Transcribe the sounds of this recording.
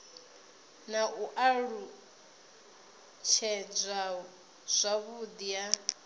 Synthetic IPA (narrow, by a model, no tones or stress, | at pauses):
naʔuʔaɺu | t͡ʃʰɛd͡zʷa | z̥ʷaβud̪ija